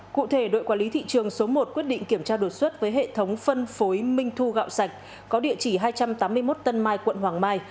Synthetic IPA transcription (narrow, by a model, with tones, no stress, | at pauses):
kṵ˧˨t̪ʰe˧˩ɗo̰˧˨jkwaː˧˩li˨˦t̪ʰḭ˧˨t͡ɕɨ˨˩əŋso˨˦mo˨˩t̚kwət̚ɗḭ̈˧˨ŋ̟ki˧˩əmt͡ɕaː˧ɗo˨˩t̚swə˦˥t̚vəː˨˦jɦḛ˧˨t̪ʰə˨˦wŋ͡mfə˧nfo˨˦jmï˧ŋ̟t̪ʰu˧ɣa̰ː˧˨wsa˨˩jk̟̚ | kɔ˨˦ɗḭ˧˨ət͡ɕi˧˩ɦaː˧jt͡ɕa˧mt̪aː˨˦mːɨ˧əjmo˦˥t̚t̪ə˧nmaː˧jkwə̰˧˨nɦwaː˨˩ŋmaː˧j